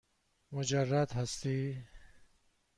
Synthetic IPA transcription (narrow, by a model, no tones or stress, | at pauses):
mʊd͡ʒarːad̪ɦast̪i